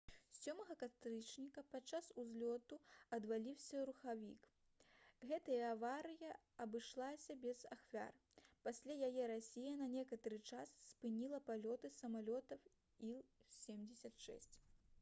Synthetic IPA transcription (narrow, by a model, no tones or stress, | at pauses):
sʲɔmɐɣɐkat̪ɾɨt͡ʂnʲikɐpat̪t͡ʂːasuzʲlʲɔt̪uɐd̪valʲiwsʲɐɾuxavʲḭk | ɣɛt̪ɐjɐːvaɾɨjɐ | ɐbɨʂlˠasʲɐbʲɛza̰xvʲa̰r | pasʲlʲajajɛɾasʲijɐnɐnʲɛkɐt̪ɐɾɨt͡ʂasːpɨnʲilˠɐpalʲɔt̪ɨsɐmalʲɔt̪ɐw | ilˠsʲemd͡zʲɛsʲɐt̪ʂɛ̰sʲt͡sʲ